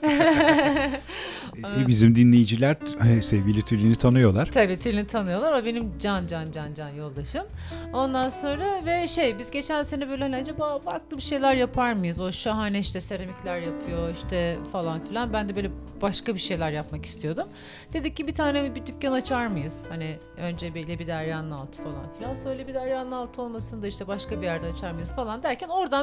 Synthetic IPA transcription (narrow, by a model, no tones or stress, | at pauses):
bizimd̪inlʲe̞jid͡ʒilʲæɾsevɟʲilʲit̪ʰylʲinit̪ʰanɯjo̞lˠaɾ̥t̪ʰabiːt̪ʰylʲinit̪ʰanɯjo̞lˠaɾabe̞nimd͡ʒand͡ʒand͡ʒand͡ʒanjo̞lˠd̪aʃɯm | o̞nd̪anso̞nɾavɛʃe̞jbizɟe̞t͡ʃʰænsenɛbøjlʲelʲænd͡ʒɛbafaɾklˠɯbiʃe̞jlʲæɾjapʰaɾmɯjɯzo̞ʃaɦanɛiʃt̪ɛse̞ɾemiclʲæɾjapʰɯjo̞iʃt̪ʰɛfalˠanfilʲˠanbænd̪ɛbøːlʲɛ | baʃkabiʃe̞jlʲæɾjapmaki̥st̪ʰijo̞d̪um | d̪̥e̞d̪icːibit̪ʰaːnemibid̪ycʲːanat͡ʃʰaɾmɯjɯz̥hanɪ | ø̞nd͡ʒebelʲɛbid̪æɾjaːnɯalˠt̪ʰɯ̥falˠa̰nfilʲansøjlʲɛbid̪æɾjaːnɯalˠt̪ʰɯo̞lˠmasɯnd̪aiʃt̪ʰɛbaʃkabijæɾd̪ɛat͡ʃʰaɾmajɯz̥falˠand̪æɾcʰæno̞ɾd̪a